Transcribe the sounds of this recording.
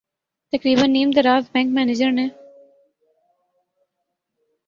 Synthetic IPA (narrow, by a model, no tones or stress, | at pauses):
t̪ɐkɾiːbənːiːmd̪əɾaːzbɛ̃ːŋkmɛːned͡ʒəɾnẽː